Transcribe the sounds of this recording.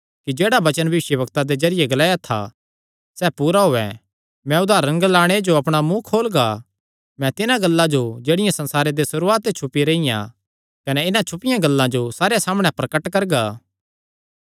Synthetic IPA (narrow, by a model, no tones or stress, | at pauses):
kid͡ʒeːɽabɐt͡ʃənbɐʋɪʃjəbɐkt̪ad̪ezɐɾɪjeɡɐlaːjat̪ʰa̰ | sɛːpuːɾaɦoːɛ | mɛ̃ʊd̪ʱaːɾɐ̃ŋɡlaːɽ̃ed͡ʒoɐpɽ̃amũkʰoːlɡa | mɛ̃t̪ɪnãɡɐlːãd͡ʒod͡ʒeːɽɪjãsɐ̃nsaːɾed̪esʊɾuːaːt̪et͡ʃʰʊpiɾeɪjã̰ | kɐnɛɪnãt͡ʃʰʊpɪjãɡɐlːãd͡ʒosaːɾjasaːməɽ̃ɛpɾɐkəʈkɐɾɡaː